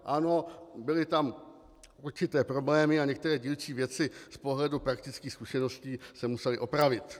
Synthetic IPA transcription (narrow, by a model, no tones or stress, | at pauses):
ʔano̞bɪlɪt̪am | ʔuɾt͡ʃɪt̪ɛːpɾo̞blɛːmɪaɲɛk̚t̪ɛɾɛːɟiːlt͡ʃiːvjɛt͡sɪspo̞ɦlɛdupɾak̚t̪ɪt͡skiːxskuʃɛno̞sciːsɛmusɛlɪʔo̞pɾavɪt̪